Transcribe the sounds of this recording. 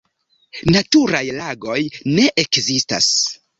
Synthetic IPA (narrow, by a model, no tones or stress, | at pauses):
natuɾajlaɡo̞jne̞ʔekzista̰s